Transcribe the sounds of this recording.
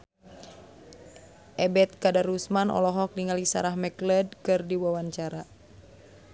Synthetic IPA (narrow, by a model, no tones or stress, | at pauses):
ʔɛbɛt̪̚kadarusmanʔɔ̰lɔɦɔk̚niŋalisa̰ɾahmɛklɛdkɨrdiwawaɲt͡ʃaɾa